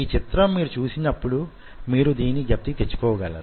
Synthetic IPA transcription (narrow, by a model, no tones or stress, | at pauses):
iːt͡ʃit̪ɾɐmːiːɾut͡ʃuːsinɐpːuɽu | miːɾud̪iːnːiɡɐp̚t̪it̪et͡ʃːu̥kɔːʋɐɡɐlːɐ̰ːɾ